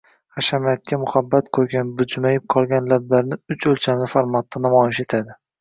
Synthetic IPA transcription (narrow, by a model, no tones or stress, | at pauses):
χaʃamat̪̚kʲamʊhabːat̪qʰojɡʲanbʊd͡ʒmajɪp̚qʰɒlˠɡʲanlab̚laɾnɪʊt͡ʃɵlt͡ʃʰamlɪfaɾmat̪ʰːanamɒjɪʃe̞t̪ʰad̪ɪ